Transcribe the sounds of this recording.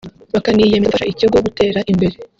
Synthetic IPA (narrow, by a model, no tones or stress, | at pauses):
βakanijemefaʃaʔiciɡo̞ɡute̞ːɾaʔimbe̞ɾe